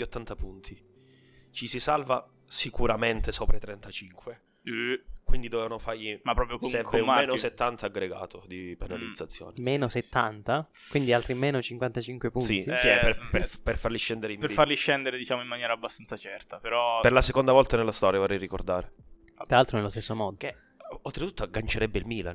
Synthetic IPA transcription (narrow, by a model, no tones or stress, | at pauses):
iot̪ːant̪apunt̪ʰi | t͡ʃisisalva | sikuɾament̪esoːpɾat̪ɾɛnt̪at͡ʃiŋkwe | kwind̪id̪ovɛvanofarjimapːɾɔːpɾjoɛɛmpɾeːnoset̪ːant̪aːɡɾeɡa̰ːt̪ʰod̪ipenalid̪zːat̪sːjo̰ːnemmeːnoset̪ːant̪a | kwind̪ialt̪ɾimeːnot͡ʃiŋkwant̪at͡ʃiŋkwepunsit̪isiɛpepeperfarliʃːɛnd̪eɾeimpeɾfarliʃːɛnd̪eɾed̪it͡ʃaːmoimːanjɛːɾabːast̪ant̪sat͡ʃɛrt̪apeɾɔperlasekond̪avɔlt̪anelːast̪ɔɾjavorːɛjrikord̪aːɾe | t̪ɾalalt̪ɾonelːost̪esːomɔːd̪oke | olt̪ɾet̪u̥t̪ːaɡant͡ʃeɾɛbːeilmiːla